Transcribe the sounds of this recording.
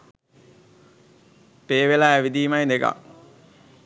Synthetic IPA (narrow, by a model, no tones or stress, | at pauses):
peːʋelaæʋid̪iːmajneka̰